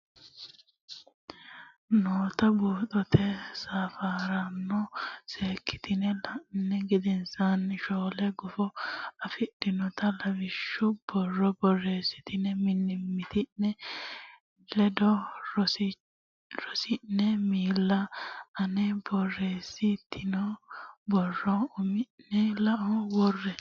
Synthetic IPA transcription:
noːt̪ɐbuːt̪ʼɔt̪ʰɛsaːfaːɾɐnːɔseːkʰːɪ̥t̪ɪnɛlɐnːɛɡɪd̪ɛnsɐnʃoːlɛɡʊfɔɐfɪɗɪnɔt̪ɐlɐvɪʃːʊb̥ɔrːɔbɔrːeːsɪ̥t̪ɪnɛmɪnːɪmːɪt̪ɪnːɛ | lɛd̪ɔ | ɾɔsɪnːɛmiːlːɐɐnɛbɔrːeːsɪt̪ʰːɪnɔbɔrːɔʊmɪːɛlɐʔɔwɔrːɛ

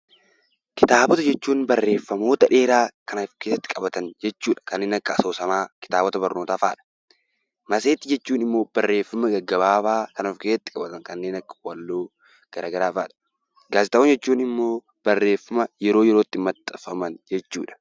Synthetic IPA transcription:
kɪt̪aːbɔt̪ɐd͡ʒɛt͡ʃːuːnbɐrːe̞ːfːɐmo̞ːt̪ɐᶑe̞ːɾaːkɐnɐfke̞ːsːɐ̥t̪ːɪ̥kʼɐbɐt̪ɐnd͡ʒɛt͡ʃːuːᶑɐ̥kɐnːeːnɐkːɐɐso̞ːsɐmaːkɪ̥t̪aːbɔt̪ɐbɐɾno̞ːt̪aːfa̰ːᶑɐ̥ | mɐseːt̪ːɪd͡ʒɛt͡ʃːuːnɪmːo̞ːb̥ɐrːe̞ːfːɐmɐɡɐɡːɐbaːbaːkɐnofkeːsɐt̪ːɪ̥kʼɐbɐt̪ɐŋkɐnːe̞ːnɐkːɐ̥wɐlːoː | ɡ̥ɐɾaːɡɐɾaːfaːᶑɐ̥ | ɡaːsɪt̪ɐond͡ʒɛt͡ʃːuːnɪmːo̞ː | b̥ɐrːe̞ːfːɐmɐjɛɾoːjɛɾoːt̪ːɪmɐt̪ʼːɐfɐmɐnd͡ʒɛt͡ʃːṵːᶑɐ̥

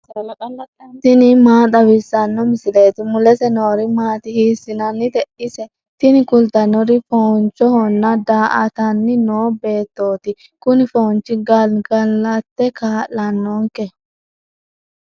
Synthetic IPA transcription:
t̪ɪnɪmaːt̪ɐwɪsɐnːɔmɪsɪle̞ːt̪ɪmʊlɛsɛnoːɾɪmaːt̪ɪhiːsːɪnɐnːɪt̪ɛʔɪsɛ | t̪ɪnɪkʊlt̪ɐnɔɾɪfoːnt͡ʃːɔhɔnːɐd̪aːʔɐt̪ɐnːɪno̞ːbe̞ːt̪ːo̞ːt̪ɪ | kʊnɪfoːnt͡ʃːɪɡɐlɡɐlːɐt̪ːɛkaːlːɐnːɔŋkɛ

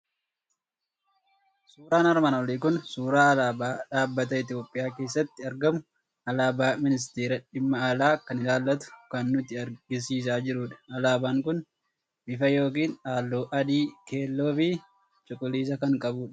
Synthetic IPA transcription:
suːɾaːnɐɾmɐnɔlikʊnsuːɾaːɐlaːbaːᶑaːbːɐt̪ɐɪt̪̬ɪjo̞ːpʼːɪjaːke̞ːsːɐt̪ːɪɐɾɡɐmʊ | ɐlaːbaːmɪnɪs̬t̪eːɾɐᶑɪmːɐːlaːkːɐnɪlaːlːɐt̪ʊ̥kɐnːʊt̪ɪɐɾɡɪs̬iːs̬aːd͡ʒɪɾuːᶑɐ̥ɐlaːbaːŋkʊn | ʔɪfɐjo̞ːk̬iːnaːlːoːʔɐd̪iːke̞ːlːo̞ːfi | t͡ʃʼʊkʼʊliːs̬ɐkɐŋkʼɐbuːᶑɐ

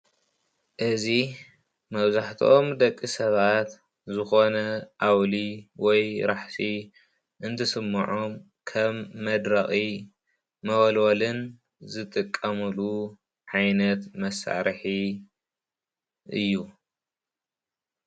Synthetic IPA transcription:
ʔɨzi | mɐβzaħt̪ʰomd̪ɐkʼːisɐβat̪ | zɨxo̞nɐʔawliwɔjɾaħsi | ʔɨnt̪ʰɨsɨmːɐ̰ʕom | kʰɐmːɐd̪ɾɐxʼi | mɐɣlolɨn | zɨt̪ʼɨkʼːɐmɨlu | ʕajnɐt̪mɐsːa̰ɾħi | ʔɨ̰jːu

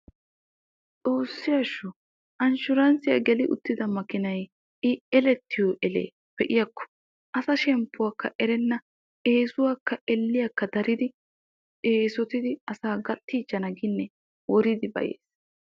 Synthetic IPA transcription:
t͡sʼo̞ːsːɪjɐʃːʊ | ʔɐnʃʊɾɐnsɪjɐ̰ɡɛlɪʔʊ̰t̪ːɪd̪ɐmɐkɪnɐj | ɪɛlɛt̪ʰːɪjoʔɛlḛː | pɛʔɪjɐkːɔ̥ | ʔɐsɐʃɛmpːʊwakːɐʔɛɾɛnːɐ | eːsʊwaːkːɐɛlːɪjɐkːɐd̪ɐɾɪd̪ɪ | eːsɔt̪ɪd̪ɪɐsaːɡɐt̪ʼːiːd͡ʒɐnɐɡɪnːɛ | wɔɾɪd̪ɪbɐ̰jḛːs

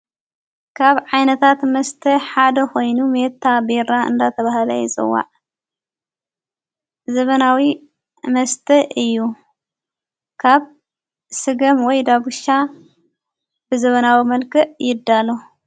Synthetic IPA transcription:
kʰaβʕajnɐt̪ʰat̪mɐst̪ʰɐħad̪ɐxo̞jnumet̪ʰːabeɾaɨ̰nd̪at̪ʰɐβahlɐ̰jɪzʼɨ̰wːa̰ʕ | zɐβɐnawi | mɐst̪ʰɐʔɨjːu | kʰaβ | sɨɡɐmwɔjd̪aɡuʃa | b̥ɨzɐβɐnawimɐlkʰɨʔjɪd̪ːalo

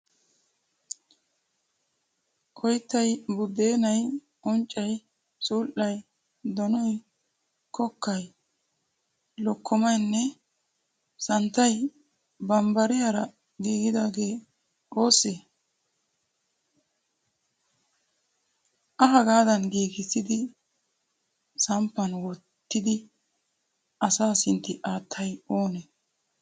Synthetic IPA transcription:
ʔɔjt̪ːɐjbʊd̪e̞ːnɐj | ʔɔnt͡ʃʼːɐj | suːʔɐj | d̪ɔnɔj | kɔkːɐj | lɔkʰːɔmɐjnːɛ | sɐnt̪ːɐj | bɐmbɐɾɪjɐɾɐ | ɡiːɡɪd̪aːɡe̞ː | o̞ːse | ʔɐɦɐɡaːd̪ɐnɡiːɡɪsɪd̪ɪ | sɐmpːɐnwɔt̪ːɪd̪ɪ | ɐsaːsɪnt̪ːɪʔaːt̪ʰːɐjo̞ːnɛ

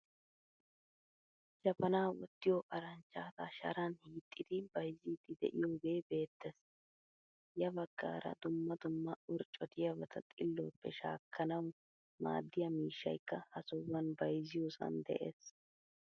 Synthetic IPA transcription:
d͡ʒɐpːɐnaːwɔt̪ːɪjoʔɐɾɐnt͡ʃːaːt̪ɐʃɐ̰ɾɐnhiːt̪ʼːɪd̪ɪbɐjziːt̪ːɪd̪ɛ̰ʔɪjoːbe̞ːbe̞ːt̪ːɛs | jɐbɐɡ̥ːa̰ːɾɐ̰d̪ʊmːɐd̪ʊmːɐʊɾt͡ʃʼːɔt̪ɪjɐbɐt̪ʰɐt̪ʼɪlːɔːpːɛʃa̰ːkːɐnɐw | ma̰ːd̪ːɪjɐmiːʃːɐ̰jkːɐhɐsɔwːɐnbɐjzɪjosɐ̰nd̪ɛ̰ʔḛːs

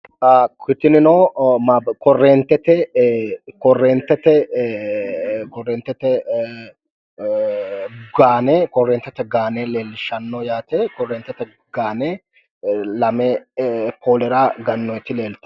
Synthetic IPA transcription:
ʔakɪt̪ːɪnɪnoːmakɔrːeːnt̪ːɛt̪ɛ | kɔrːeːnt̪ːɛt̪ɛ | kɔrːeːnt̪ːɛt̪ɛ | ɡaːnɛkɔrːeːnt̪ːɛt̪ːɛɡaːnɛleːlɪʃɐnːɔjaːt̪ɛkɔreːnt̪ːɛt̪ɛ | ɡ̥aːnɛː | lɐmɛpʰoːlɛɾaɡɐnːɔɪt̪ːɪleːlt̪

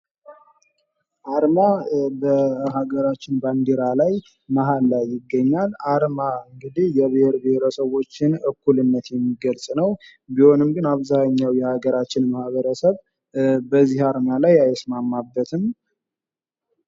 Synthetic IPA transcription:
ʔaɾmabəɦaɡəɾat͡ʃːɪnband̪eɾalaj | maɦalːajːɪɡːəɲːalʔaɾmaɨŋɡɨd̪ihjɛβəheɾbeheɾəsəβo̞t͡ʃːɪnɨkːulɨnːət̪jɛmːiɡəlsʼnəw | biho̞nɨmɡɨnaβzaɲːawjɛhaɡəɾat͡ʃːɪnmahβəɾəsəβ | bəzːihaɾmalajajɛsmamːabːət̪ʰɨm

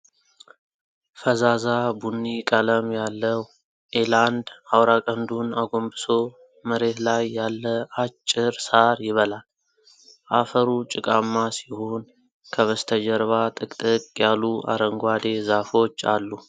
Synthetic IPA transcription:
fəzazabunːikʼələmjalːəw | ʔeland̪awɾakʼənd̪unaɡo̞mbɨso̞ | məɾe̞t̪lajːalːəat͡ʃʼːɪɾsaɾjɪβəlal | ʔafəɾut͡ʃʼɪkʼamːasihon | kʰəβəst̪ʰəd͡ʒəɾβat̪ʼɨkʼt̪ʼɨkʼjaluʔa̰ɾəŋɡʷad̪e̞zafo̞t͡ʃːa̰lːu

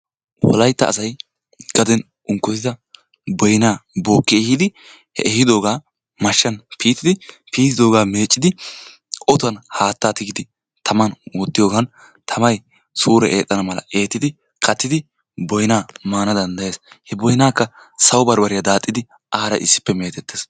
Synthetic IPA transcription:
wɔ̰lɐjt̪ːɐ̰ːsɐj | ɡ̥ɐd̪ɛn | ʔʊŋkːɔt̪ɪd̪ɐ | bɔjnaːboːkːɪɛhɪd̪ɪ | hɛ̰ʔɛhɪd̪o̞ːɡaː | mɐʃːɐnpʰiːt̪ɪd̪ɪ | piːt̪ɪd̪o̞ːɡaːme̞ːt͡ʃʼːɪd̪ɪ | ʔɔt̪ʊɐnhaːt̪ːaːt̪ɪɡɪd̪ɪ | t̪ʰɐmɐnwɔt̪ːɪjoːɡɐn | t̪ʰɐmɐj | suːɾɛʔeːt̪ʼːɐnɐmɐlɐ̰ʔe̞ːt̪ːɪd̪ɪ | kʼɐt̪ːɪd̪ɪ | bɔjnaːmaːnɐd̪ɐnd̪ɐje̞ːshɛbɔjnaːkːɐ | sɐwbɐɾbɐɾɪjɐd̪aːt̪ʼːɪd̪ɪ | ʔaːɾɐ̰ʔɪ̰sːɪ̥pːɛme̞ːt̪ɛt̪ːeːs

